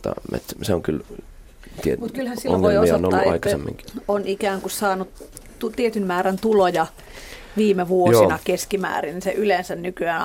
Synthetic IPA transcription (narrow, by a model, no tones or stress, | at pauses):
t̪ːɑ̰mḛt̪seoŋkyl | t̪iemut̪kylhæsio̰ʋoiosoonolːuʔʔɑ̰itkɑsemːḭŋki̥onikæːŋkussɑːnut | t̪ut̪iet̪ynmæːɾænt̪ulojɑ | ʋiːmeʋuojosinɑkeskimæ̰ːrininseʔylensænnykyæːn